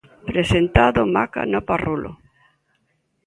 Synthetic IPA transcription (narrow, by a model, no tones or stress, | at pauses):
pɾesent̪aðʊmaka̰noparulʔo̰